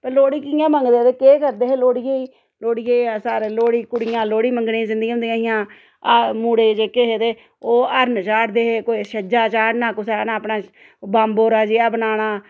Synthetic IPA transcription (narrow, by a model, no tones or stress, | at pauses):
pəloːɽiːkɪjãːmə̃ŋɡd̪eːt̪eːkeːkəɾd̪eːɦeːloːɽijeːiː | loːɽijeːsaːɾeloːɽiːkʊɽɪjãːloːɽiːməŋɡnẽzɪnd̪ĩːɦʊnd̪ijãːɦɪjãː | muːɽeːd͡ʒekeɦeːt̪eː | oːəɾnt͡ʃaːɽd̪eːɦekoːiːʃəd͡ʒaːt͡ʃaːɽnãːkʊseːnãːpnãː | baːmboːɾaːd͡ʒeːaːbənaːnaː